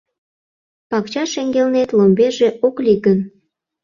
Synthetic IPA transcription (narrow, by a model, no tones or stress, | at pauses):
pɑkt͡ɕɑʃeŋɡelnet̪lombeʒeʔokliɣən